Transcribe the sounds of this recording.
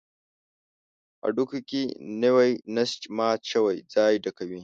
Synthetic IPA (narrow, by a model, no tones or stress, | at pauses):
ʔa̰ɖukukʲinewɐjnɐst͡ʃʼmaːt͡ʃɐwɐjzaːjidɐkɐwi